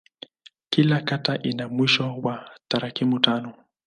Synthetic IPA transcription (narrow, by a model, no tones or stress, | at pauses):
kilakataʔinamwiʃɔwat̪aɾakimutanɔ